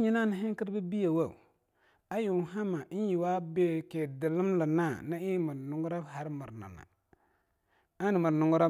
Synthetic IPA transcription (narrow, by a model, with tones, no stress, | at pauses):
ɲi˨na˦˨ni˨ɦɪ˦ŋ˦ki˦ɾbi˦bi˦ja˨wa˦˨ṵ˨ | a˦ju˨ɦa˦ma˨˦ji˨wa˦be˦ke˨dɪ˨lɨ˦m˦la˨na˦˨na˦i˦mɨ˨ɾnʊ˨ŋɡɾa˦bha˨ɾmɨ˨ɾna̰˨na̰˨ | a˦n˨mɨ˨ɾnʊ˨ŋɡu˦ɾa˦